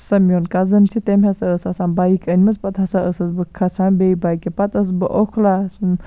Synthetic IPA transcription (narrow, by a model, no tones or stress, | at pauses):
sɐmjonkɐzɨnt͡ʃʰit̪emhesɐəsasaːnbaikənʲmɨspɐt̪hɐsaəsɐsbɨkʰɐsʰanbeibaikepɐt̪əs̬bɨʔokʰla